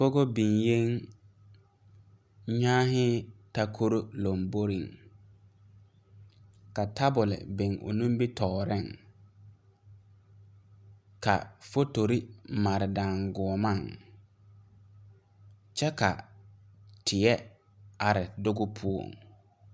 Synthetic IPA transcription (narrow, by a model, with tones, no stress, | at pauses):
fo˦ɡo˦bi˨ŋje˦ŋ | ɲaː˦ɦɪ˦ta˦kʰo˦ɾo˦lo˨mbo˦ɾḭ˨ŋ | ka˨ta˦bʊ˨lɪ̰˨bɪ˨ŋo̰˨nũ˦mbi˦tʰɔː˨ɾɪ˦˨ŋ | ka̰˨fo˦to˨ɾi˦ma˨ɾɪ˨daː˨ŋɡʊ˨ɔ˨ma˦˨ŋ | t͡ʃɛ˦ka̰˨ | tʰɪ˨ɛ˦ | a˨ɾɪ˨dʊ˦ɡʊ˦pʰu˦o̰˨ŋ